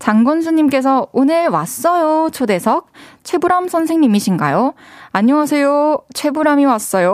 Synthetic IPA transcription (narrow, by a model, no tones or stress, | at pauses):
t͡ɕaŋɡʌns̬ʰuɲimk͈e̞s̬ʰʌonɯɭwa̰s͈ʌjot͡ɕʰode̞sʰʌk̚t͡ɕʰwe̞buɾamsʰʌnsʰe̞ŋɲimiɕʰinɡa̰joaɲʌŋasʰe̞jot͡ɕʰwe̞buɾamiwas͈ʌjo